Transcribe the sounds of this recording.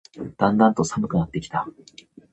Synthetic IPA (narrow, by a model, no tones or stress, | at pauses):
d̪̥ãnd̪ãnt̪o̞samɯ̟kɯ̟nat̪ːe̞kʲi̥t̪a